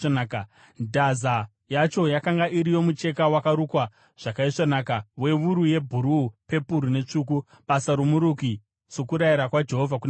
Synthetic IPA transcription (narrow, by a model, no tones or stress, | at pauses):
a | dʱaza | jat͡ʃo̞jakaŋɡaʔiɾijo̞mut͡ʃe̞kawakaɾukwa | ʐ̥akaiʂanaːkawe̞ʋuɾuje̞bʱuɾupe̞puɾune̞t͡ʂuːk̬u | basaɾumuɾuki | sokuɾaiɾakwad͡ʒe̞ɦovʱak̬un